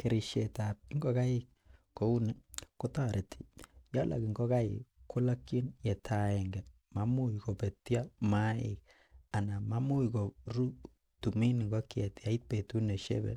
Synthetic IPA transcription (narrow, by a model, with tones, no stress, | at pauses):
ke˨ɾi˨ʃe˨ta˨p̚i˦ŋɡo˦ka˦ɪ˦k̚ | ko˨u˦ni˦ko˦ta˦ɾe˨tʰi̥˨ja˦lʔa̰˨ki˨ŋɡo˦ka˦ɪ̰˨kːu˦la˦kːi˦njɛ˨tʰa˨ɛ˨ŋɡɛ˨ | ma˦mu˦i˨ko˨pe˨tja˦ma˦ɪ̰˨k̚ | a˨na˨ma˦mu˦iko˨ɾu˦ | tu˨mi˦ni˨ŋɡo˦ke˨ta˨˦i˦t̚pe˨tu˦ne˨ʃḛ˦bḛ˨